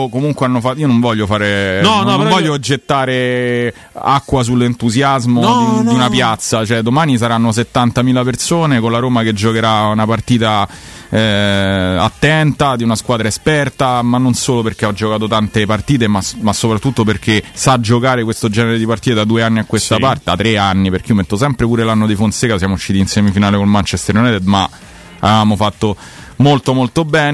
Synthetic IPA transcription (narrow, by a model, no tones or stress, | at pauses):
komuŋkweanːofaionoɱvɔʎːofaːɾenɔvɔʎːod͡ʒet̪ːaːɾe | a̰kːwas̬ulːent̪uzjazmod̪iunapjat̪sat͡ʃoɛd̪omaːnis̬aɾanːos̬et̪ːant̪amiːlapersoːnekonlaɾoːmaked͡ʒokeɾaunapart̪iːt̪a | a̰t̪ːɛnt̪ad̪iunaskwaːd̪ɾaespɛrt̪amanːonsoːloperk̟ead͡ʒokaːt̪ot̪ant̪epart̪iːt̪̬emamasːopɾat̪ːut̪ːoperk̟esad͡ʒokaːɾekwest̪od͡ʒɛneɾed̪ipart̪iːt̪ed̪ad̪ueanːiakːwest̪apart̪eat̪ːɾeanːiperk̟eomet̪ːosɛmpɾepuːɾelanːod̪ifonsekas̬jaːmouʃːiːt̪insɛmifinaːlekolmant͡ʃɛst̪eɾonɛd̪ed̪ma̰ | a̰vevaːmofat̪ːo | molt̪omolt̪obɛːn